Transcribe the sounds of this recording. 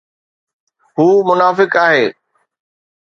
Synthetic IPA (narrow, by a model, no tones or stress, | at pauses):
ɦuːmʊnaːfɪkaːɦeː